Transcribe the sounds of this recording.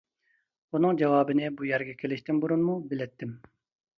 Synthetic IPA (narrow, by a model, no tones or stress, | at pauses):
unɨŋd͡ʒɑwɑːbɨnɪbujɛɾɡʲɛkʲʰelɪʃt̪ɪmbuɾunmubɪlɛt̪ʰːɪm